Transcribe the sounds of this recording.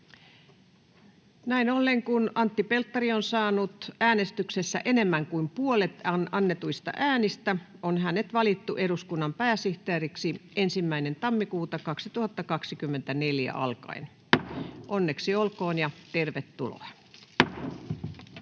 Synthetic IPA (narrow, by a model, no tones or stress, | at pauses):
næinolːeŋkunɑnt̪ːipe̞lt̪ːɑɾionsɑːnut̪æːne̞st̪yksesːæ̰ʔe̞ne̞mːæŋkuimpuolet̪nɑnːet̪uist̪ɑ̰ʔæːnist̪æonɦænet̪ʋɑlit̪ːuʔe̞duskunːɑmpæːsiht̪eːriksiensimːæine̞nt̪ɑmːikuːt̪ɑkɑksit̪uhɑt̪ːɑkɑksikymːe̞nt̪æne̞ljæ̰ʔɑ̰lkɑ̰in | ʔo̞nːeksiolkoːnjɑt̪erʋet̪ːṵlo̰jɑ